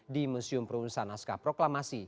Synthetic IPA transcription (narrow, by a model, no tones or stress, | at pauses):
dimusiʊmpɾunsanaskapɾoklamasi